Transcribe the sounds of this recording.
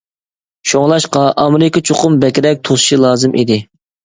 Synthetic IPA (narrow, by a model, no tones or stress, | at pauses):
ʃoŋlˠɑʃqɑʔɑmɾɪkɑt͡ʃʰoqʊmbɛkʲɾɛk̚ʲt̪ʰosʃilˠɑːzɨmʔḭd̪ɪ